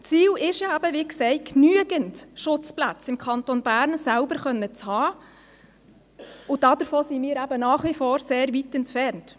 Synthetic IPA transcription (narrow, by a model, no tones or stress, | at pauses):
t͡siːlɪʃjɑæbəʋiksɛɪknyəɡəntʃʊt͡spla̰t͡sɪmkʰɑntonbæːɾnsælbəɾχœnːət͡shɑː | ʊdɑd̥əɾfoːsimiːɾæbənɑːχʋifoːɾseːɾʋitɛntfɛrnt